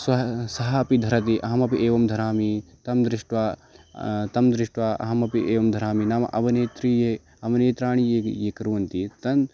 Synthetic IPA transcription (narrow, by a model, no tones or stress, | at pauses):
sɐsɐɦɐɐpid̪ʱɐɾɐt̪̬iʔɐɦɐmɐpiʔeːʋɐmd̪ʱɐɾaːmit̪ɐmd̪ɾiʂʈʋa | t̪ɐmd̪ɾɪʂʈʋaːɐ̰ɦɐmɐpieːʋɐmd̪ʱɐɾaːminaːmɐ̰ʔɐʋɐneːt̪ɾiːje | ɐʋɐneːt̪ɾaːɳ̃ijejekɐɾuʋɐnt̪it̪ɐn